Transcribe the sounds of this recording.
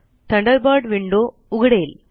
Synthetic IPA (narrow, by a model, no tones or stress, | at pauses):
t̪ɐɳɖɐɾbaːɽʋɪɳɖoː | ʊɣɐɽɐjɪl